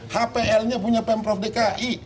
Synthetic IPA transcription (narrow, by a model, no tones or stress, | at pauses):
hapeʔɛlɲapuɲapɛmpɾɔfdəkaʔi